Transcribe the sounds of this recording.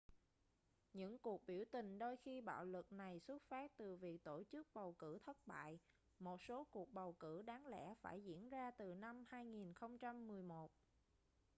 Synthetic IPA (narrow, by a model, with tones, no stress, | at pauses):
ɲɨ̰˧˥ŋku˨˩ək̚ɓi˧˩əwt̪ï˨˩ŋ̟ɗo˧jxi˧ɓa̰ː˧˨wlɨ˨˩k̚na˨˩jswə˦˥t̚faː˦˥t̚t̪ɨ˨˩vi˨˩ək̚t̪o˧˩t͡ɕɨ˦˥k̚ɓə˨˩wkɨ˧˩t̪ʰə˦˥t̚ɓa̰ː˧˨j | mo˨˩t̚so˨˦ku˨˩ək̚ɓə˨˩wkɨ˧˩ɗaː˨˦ŋlɛ̰˧˥fa̰ː˧˩jzḭ˧˥ənzaː˧t̪ɨ˨˩na˧mhaː˧jŋi˨˩nxə˧wŋ͡mt͡ɕa˧mːɨ˨˩əjmo˨˩t̚